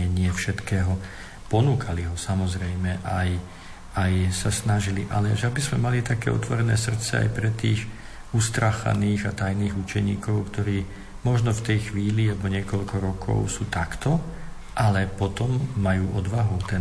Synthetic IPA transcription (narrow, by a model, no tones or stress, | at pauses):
ɛɲɪɛfʃɛt̪kɛːɦɔ | pɔnuːkʰaliɦɔsamɔzɾɛjmɛʔaj | ajsasnaʒiliʔa̰lɛʒɛabizmɛmalit̪akɛ̰ːɔ̰t̪ʋɔɾɛnɛ̰ːsr̩t̪t͡sɛ̰a̰jpɾɛt̪iːɣ | ust̪ɾaːxa̰niːɣat̪ajniːɣut͡ʃɛɲḭːkɔʊkt̪ɔɾiː | mɔʒnɔft̪ɛjxʋiːliabɔɲɪɛkɔʎkɔɾɔkʰɔ̰ʊsuːt̪akt̪ɔ | ʔalɛpɔt̪ɔmːajuːʔɔd̪ʋaɦut̪ɛ